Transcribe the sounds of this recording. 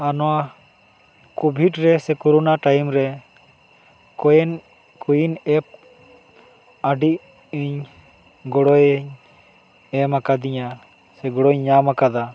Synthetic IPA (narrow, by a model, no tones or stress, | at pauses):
anɔwa | kɔbʱiʈɾɛsɛkɔɾɔnaʈajmɾɛ | kɔjɛn | kujinɛp̚ | aɖiʔ | iɲ | ɡɔɽɔjɲ | ɛmakad̪iɲa | sɛɡɔɽɔɲːamakad̪a